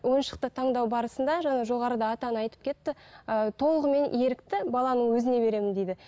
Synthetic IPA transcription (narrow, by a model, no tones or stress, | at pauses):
wo̞jnʃə̥q̚t̪ət̪ʰɑɴd̪ɑwbɑɾəsənd̪ɑʒɑɴɑʒo̞ʁɑɾəd̪ɑːt̪ɑnəɑjt̪əpkʲʰe̞t̪ːɪət̪ʰo̞lˠəʁəme̞ne̞ɾɪk̚t̪ɪbɑlˠɑnəɴwɵzɪne̞be̞ɾe̞mɪnd̪e̞jd̪ɪ